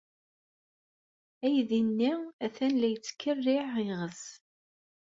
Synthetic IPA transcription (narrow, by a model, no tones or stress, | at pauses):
æjðinːiæθænlæjt͡sːkːərːɪʕɪʁəs